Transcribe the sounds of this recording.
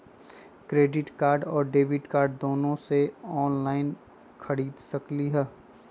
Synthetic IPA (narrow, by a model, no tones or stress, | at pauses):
kɾeːɖɪʈkaːɾɖɔːɾɖeːʋɪʈkaːɾɖd̪oːnõseɔːnlaːɪn | kʰɐɽiːd̪sɐkliɦɛː